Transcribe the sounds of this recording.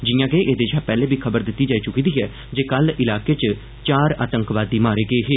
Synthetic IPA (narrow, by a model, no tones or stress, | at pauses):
d͡ʒɪjãːkeːʔeːd̪eːd͡ʒãːpɛːleːbiːkʰəbəɾd̪ɪt̪ːiːd͡ʒaːiːt͡ʃʊkiːd̪iːɦɛː | d͡ʒeːkəlɪlaːkeːt͡ʃ | t͡ʃaːɾa̰ːt̪əŋkʋaːd̪iːmaːɾeːɡeːɦeː